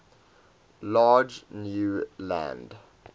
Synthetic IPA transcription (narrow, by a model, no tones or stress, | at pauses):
lɑːd͡ʒnjuːlæ̰̃nd